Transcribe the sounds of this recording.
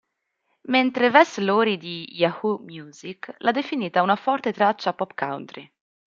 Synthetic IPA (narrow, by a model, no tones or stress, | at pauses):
ment̪ɾevɛsloːɾid̪ijahumjuːziklʔad̪efiniːt̪aunafɔrt̪et̪ɾat͡ʃːapɔpka̰wnt̪ɾi